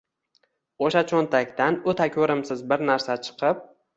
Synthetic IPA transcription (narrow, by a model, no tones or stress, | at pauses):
oʃat͡ʃʰont̪ʰakʲt̪anʊt̪ʰakʲʰɵɾɪmsɪzbɪɾnaɾsat͡ʃʰɨ̥qʰɨp̚